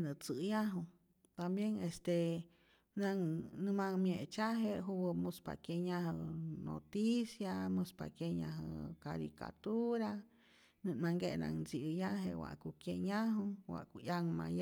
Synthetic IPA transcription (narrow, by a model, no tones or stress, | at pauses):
nət͡sɨjaɦu | t̪ambjeŋest̪e | naŋnɨmamjet͡ʃaɦeɦuwəmuspa̰kjeɲaɦəno̰t̪isjamuspa̰kjeɲaɦə̰kaɾḭka̰t̪uɾa | nɨmaŋɡena̰ŋnzijaɦḛwa̰ʔkukjeɲaɦuwa̰ʔkuʔjaŋmaj